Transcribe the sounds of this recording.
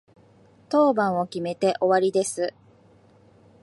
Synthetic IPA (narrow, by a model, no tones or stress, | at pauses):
t̪o̞ːbãɰ̃o̞kʲime̞t̪e̞ʔo̞βaɾʲid̪e̞sɨ